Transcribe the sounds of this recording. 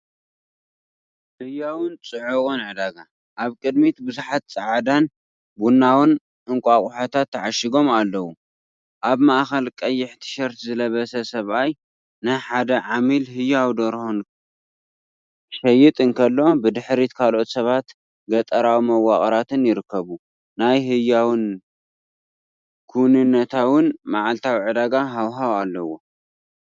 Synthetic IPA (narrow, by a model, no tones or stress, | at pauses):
hɨjawɨnt͡sʼɨʕukʼunʕɨd̪aɡa | ʔaβkʼɨd̪mit̪bɨzuħat̪̚t͡sʼɨʕad̪an | bunːawɨn | ʔɨŋkʷʼakʼuħat̪ʰat̪ʰːaʕaʃɪɡo̞malːɐwu | ʔaβmaʔxɐlkʼɐjːɪħt̪ʰɨ̥ʃɐɾt̪zɨlɐβɐsɐsɐβaj | nɨħad̪ɐʕamilɦɨjːawd̪oɾhon | ʃɐjːɪt̪ʼɨnkʰɐlːo̞bɨd̪ɨħɾit̪kʰalo̞t̪sɐβat̪ | ɡɐt̪ʼɐɾawmɐwaχʼɐɾat̪ɨnjɪɾɨkːɐβu | najɦɨjawɨn | kʰuwnɨnːɐt̪ʰawɨnmaʕalt̪ʰawʕɨd̪aɡaɦawɦawalːɐwo